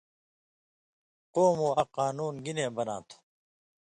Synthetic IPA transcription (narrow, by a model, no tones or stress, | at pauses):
qoːmoːɐqaːnuːnɡinẽːbɐnã̰ːt̪ʰu̥